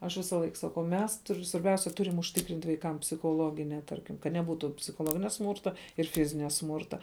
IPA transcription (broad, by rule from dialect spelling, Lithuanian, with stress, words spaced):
ɐʃ ˈʋʲɪsɐlˠɐɪk sɐˈkɐʊ ˈmʲɛs ˈtʊr sʋɐrʲˈbʲɛʊsʲɛ ˈtʊrʲɪm ʊʃʲˈtʲɪkrʲɪnt ʋɐɪˈkɐm pʲsʲɪxoːˈlˠoːɡʲɪnʲɛ ˈtɐrʲkʲɪm kɐt nʲɛˈbuːtuː pʲsʲɪxoːˈlˠoːɡʲɪnʲɛ ˈsmuːrtɐ ɪr ˈfʲɪzʲɪnʲɛ ˈsmuːrtɐ